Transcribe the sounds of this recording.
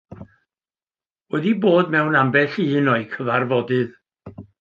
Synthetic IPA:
wɛdiboːdmɛwnambɛɬiːnɔɨkʰəvarvɔdɨð

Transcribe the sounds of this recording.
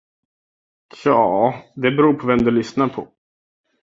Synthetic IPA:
jɑːd̪ɛbɛɾuːɾpʰɔvɛmd̪ɵlʏsnaɾpʰɔ

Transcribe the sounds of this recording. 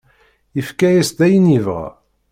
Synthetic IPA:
əfkæjæsd̪æjənivʁ

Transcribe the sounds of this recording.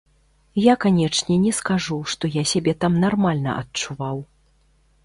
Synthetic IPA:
jakanʲɛt͡ʂnʲɛnʲɛskaʐuʂt̪ɔjasʲabʲɛt̪amnarmalʲnɐ̰ʔɐtt͡ʂuvaw

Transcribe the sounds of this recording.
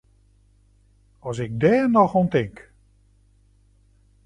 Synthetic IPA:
ɔs̬ɪk̚dɛːnɔxontɪŋk

